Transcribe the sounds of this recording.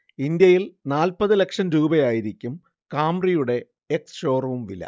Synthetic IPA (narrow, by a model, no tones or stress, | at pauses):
ind̪jɐjilnaːlpɐðɨle̞kʂɐmɾuːbɐjaːjiɾikʲːum | kaːmrijuɽe̞ | eksʂo̞ːruʋumʋilːɐ̰